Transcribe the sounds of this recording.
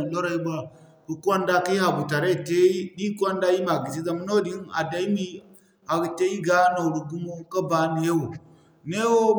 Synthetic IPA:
lo˦ɾa˦˨i˦ba˦ | ku˨ku˦a˦nda˦ka˦i˦ha˨bu˨ta˨ɾe˦te˦i˦ɗi˦ka˦n˦da˦ji˦ma˨ɡi˨si˦za˦˨m˦no˦di˦na̰˨da˦mi˦ | a˨te˦ji˦ɡa˦no˨ɽu˨ɡu˦mu˦ka˦ba˦ne˦wo˨ | ne˦wo˦

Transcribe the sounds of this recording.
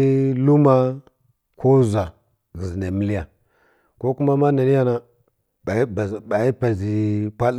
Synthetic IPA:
lu˦ma˦ | kʰo˦za˨ | ɣi˨zi˨na˨mi˦li˦ja˨ | ko˦ku˦ma˦ma˦na˨ni˦ja˦na˦˨˦ | ba˨i˦pa˨zi˨pʷa˦l

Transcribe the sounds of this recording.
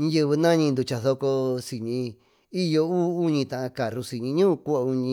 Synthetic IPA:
ɲĩ˧jɨ˧βɨ˧nã˦ɲĩ˧nd̪u˧t͡ʃa˧˨θo˧ko˧si˨ɲĩ˧ | i˦jo˧uː˦u˦ɲĩ˧t̪ã˨ʔã˧ka˨ɾu˧si˨ɲĩ˧ɲũː˦ʔku˦a˧u˧ɲĩ˧

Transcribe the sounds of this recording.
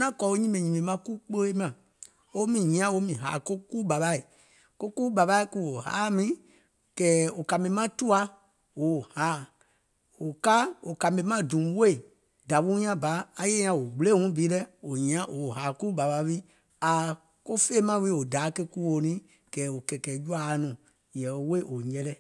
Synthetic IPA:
nã˦kɔ˨˦o˦ɲĩ˦mɛ̃˨ɲĩ˨mẽ˨mã˦ku˦k͡po˦e˦mã˨ | o˦mĩ˨ɲĩ˨˦ã˦wo˦mĩ˨ɦa̰ː˨ko˦ku˦ba˨ɓa˨˦i˨ | ko˦ku˦ɓa˨ba˧˦i˦ku˦wo˨ha̰ː˨˦mĩ˦ | kɛː˨˦o˨ka˨mĩ˧˦mã˦tu˦a˧ | wo˨haː˨˦˨ | o˨ka˦o˨ka˨mĩ˧˦mã˦dũ˨˦we˦i˨ | da˨wu˦ɲ˦ã˦baː˨˦˧je˦ã˧o˨ɡ͡ble˦ŋũ˦bi˨˦lɛ˦o˨ɲĩ˨ã˦ʔo˨ɦaː˨ku˦ba˨ɓa˧˦wi˦ | a˨ | ko˦fe˦mã˧˦wi˦o˨daː˨˦ke˧ku˦wo˨nĩ˦ | kɛː˨˦o˨kɛ˨kɛː˨˦d͡ʒu˦a˦nũ˨ | jɛ̃˨o˨we˦˨ʔo˨ɲɛ˧lɛ˦˨

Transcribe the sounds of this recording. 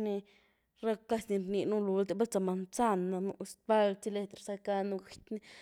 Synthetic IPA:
ni˧ | ɾa˦ka˦˧sni˧ɾni˧nu˦lu˨˧ld̪e˧˨ba˦lt͡sa˧˨ma˨nt͡sa˦nːa˧nu˧sba˦lt͡si˦le˧t̪ɾe˨sa˧ka˧na˧ɡʷi˨t̪ni˦

